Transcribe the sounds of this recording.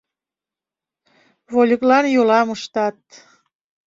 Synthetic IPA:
βolʲəklɑnjolɑmuʃt̪ɑt̪̚

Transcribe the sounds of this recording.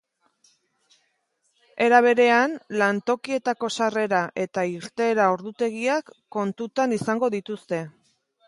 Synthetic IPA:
e̞ɾaβ̞e̞ɾe̞anlant̪o̞kie̞t̪ako̞sare̞ɾaʔe̞t̪aiɾt̪e̞ːɾaoɾðut̪e̞ɣiakːo̞nt̪ut̪anisaŋɡo̞ðit̪ust̪e̞

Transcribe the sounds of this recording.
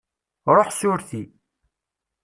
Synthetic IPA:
ɾˤoħsʊɾθi

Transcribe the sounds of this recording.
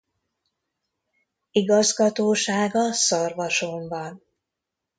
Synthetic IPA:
iɡɒzɡɒt̪oːʃaːɡɒsɒrvɒʃombɒn

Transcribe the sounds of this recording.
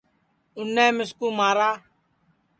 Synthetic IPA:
ʊnːẽːmɪskuːmaːɾaː

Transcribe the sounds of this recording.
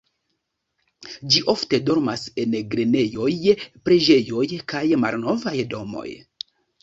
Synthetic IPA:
d͡ʒiʔo̞fte̞do̞ɾmase̞nɡɾene̞jo̞jpɾe̞d͡ʒe̞jo̞jkajma̰lno̞vajdo̞mo̞̰j

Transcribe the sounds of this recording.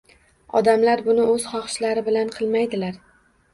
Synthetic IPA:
ɒ̰d̪amlaɾbʊnɪɵz̥χɒχʃlaɾɪbɪlanqʰɨlˠmajd̪ɪlaɾ

